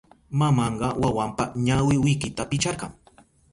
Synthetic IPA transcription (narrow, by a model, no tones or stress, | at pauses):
mamɑɴɢɑwawampaɲawɪwɪjkɪt̪apɪt͡ʃɑɾɢɑ̰ŋ